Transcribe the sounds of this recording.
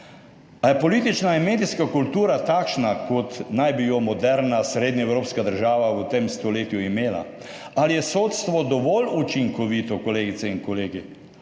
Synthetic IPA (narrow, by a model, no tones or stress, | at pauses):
ajɛpɔliːt̪it͡ʃnainmeːd̪iskakult̪uːɾat̪aːkʃnakɔt̪najbijɔmɔd̪ɛɾnasɾeːd̪ɲaɛwɾoːpskad̪əɾʒaːʋaut̪emst̪ɔleːt̪juimeːla̰ | alijɛsoːt̪st̪ʋɔd̪ɔʋɔlut͡ʃiŋkɔʋiːt̪ɔkɔleːɡit̪sɛinkɔleːɡi